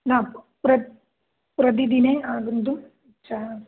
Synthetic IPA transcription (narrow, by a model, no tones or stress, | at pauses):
naːp | pɾɐ | pɾɐd̪id̪ineaːɡund̪um | t͡ʃa